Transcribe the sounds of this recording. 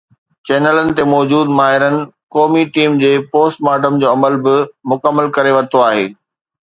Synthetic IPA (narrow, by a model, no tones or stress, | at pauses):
t͡ɕɛːnələnɪ̆t̪emɔːd͡ʑuːd̪maːɦɪɾənɪ̆kɔːmiʈiːmd͡ʑeːpoːsʈmaːʈəmd͡ʑoːɐməlbɪmʊkəmːəlkɐɾeʋɐt̪ʰoaːɦḛː